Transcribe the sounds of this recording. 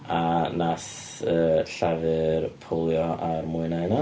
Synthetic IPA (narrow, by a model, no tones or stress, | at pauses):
anas | əːɬavɨrpʰɔlˠjɔʔarmʊɨnajna